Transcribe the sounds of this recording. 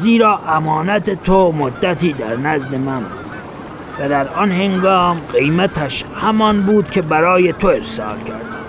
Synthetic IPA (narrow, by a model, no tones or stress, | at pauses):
ziːɾɒːʔæmɒːnæt̪et̪ʰomod̪ːæt̪ʰiːd̪æɾnæzd̪e̞mænbuːd̪ | væd̪æɾɒnhe̞ŋɡɒːmɢe̞jmæt̪ʰæʃhæmɒnbuːd̪̥̚kʲʰe̞bæɾɒːjet̪ʰoe̞ɾsɒ̰ːlkʲʰæɾd̪æm